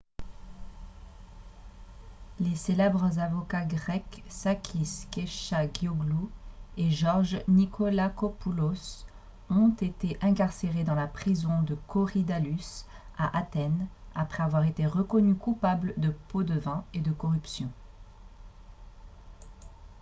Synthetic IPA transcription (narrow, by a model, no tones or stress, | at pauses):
leselɛbʁəzavɔkaɡʁɛksakʰʲiskeʃaɡjɔɡlueʒɔʁʒnikɔlakɔpulos | ɔ̃t̪et̪eʔɛ̃kaʁseʁed̪ɑ̃lapχizɔ̃d̪əkʰɔʁid̪alysaʔat̪ɛnapχɛavwaʁet̪eʁəkɔnykupabld̪əpod̪əvɛ̃ed̪əkɔʁypsjɔ̃